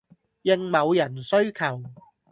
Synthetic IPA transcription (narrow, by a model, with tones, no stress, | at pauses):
jɪ˨˧ŋmɐ˨˧wjɐ˨˩nsɵ˥ɥkʰɐ˨˩w